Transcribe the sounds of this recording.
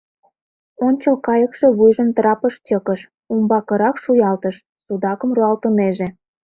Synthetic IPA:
onʲt͡ɕəlkɑjəkʃeβujʒəmt̪rɑpəʃt͡ɕʲəkəʃ | umbɑkə̆ɾɑkʃujɑlt̪əʃ | sud̪ɑkə̆mruɑlt̪əneʒe

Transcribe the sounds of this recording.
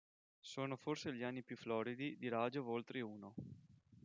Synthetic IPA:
soːnoforseʎianːipjuflɔːɾid̪id̪iɾaːd͡ʒovolt̪ɾeuːno

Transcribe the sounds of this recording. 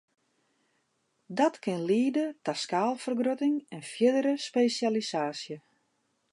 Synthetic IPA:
dɔtkɪnliːdətaskaːlˠfərɡrotɪŋɛnfjɪdəɾəspeːsjalisaːsjə

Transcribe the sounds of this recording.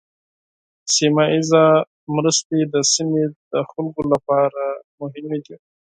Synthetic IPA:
simɑiza | mɾəst̪ed̪əsimed̪̥əxʊlɡolapɑɾamʊɦɪmed̪i

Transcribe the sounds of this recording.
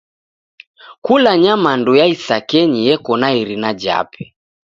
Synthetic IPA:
kulaɲamandujaisakɛɲijɛkɔnaiɾinad͡ʒa̰pʰɛ

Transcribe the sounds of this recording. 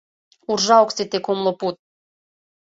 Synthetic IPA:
urʒaoksit̪ekomlˠoput̪̚

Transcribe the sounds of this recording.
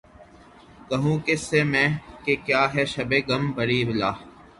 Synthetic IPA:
kɐɦũːkesːeːmɛ̃ːkekjaːɦɛːʃɐbeːɡɐmbəɾiːʋɪlaː

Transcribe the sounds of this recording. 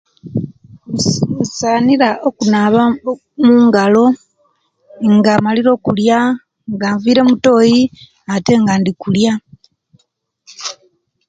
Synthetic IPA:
usaːniɾaʔokunaβa | muːŋɡalo̞ | ŋɡaːmaliɾo̞ːkulja | ŋɡaːɱviːɾe̞muto̞ːji | ate̞ːŋɡandikulja

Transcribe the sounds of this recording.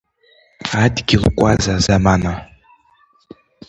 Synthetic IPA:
adɡʲiʁkʷʼazazamana

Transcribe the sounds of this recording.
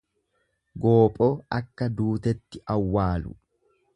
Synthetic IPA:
ɡo̞ːpʼoːɐkːɐd̪uːt̪ɛt̪ːɪʔɐwːaːlʊ̰

